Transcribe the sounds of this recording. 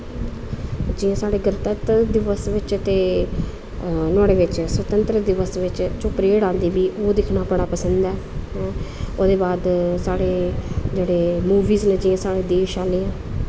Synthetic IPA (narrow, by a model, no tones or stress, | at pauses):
d͡ʒɪːãːsaːɽeːɡəɾt̪ət̪d̪ɪʋəsʋɪt͡ʃt̪eː | nʊaːɽeːʋɪt͡ʃsʋət̪ənt̪ɾəd̪ɪʋəsʋɪt͡ʃt͡ʃoːpɾeːɽãːnd̪iːbiːʔoːd̪ɪkʰnaːbəɽaːpəsənd̪ɛːɦɛ̃ːoːd̪eːbaːd̪saːɽeːd͡ʒeːɽeːmuːʋiːznẽːd͡ʒɪːãːsaːɽeːd̪eːʃaːleːãː